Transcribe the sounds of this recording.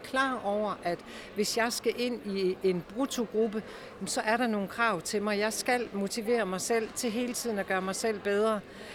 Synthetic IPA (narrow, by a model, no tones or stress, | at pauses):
kʰlɑ̰̈ːɒʊ̰ɐʔæd̥ | ʋe̝sjɑ̈ɪsɡ̥æʔe̝n̰ie̝nb̥ʁut͡sʰo̝ɡ̥ʁub̥ə | msɒ̽ʔæɐɾɑ̈no̝ːn̩kʰʁɑ̈ʊ̰t͡sʰe̝lmɑ̈ɪjɑ̈ɪsɡ̥æl̰mo̝t͡sʰiʋe̝̰ːɐmɑ̈ɪsel̰t͡sʰe̝ɦe̝ːlət͡sʰið̞̰ˠn̩ɒɡ̥ɶːɐmɑ̈ɪsel̰b̥eð̞ˠʁɐ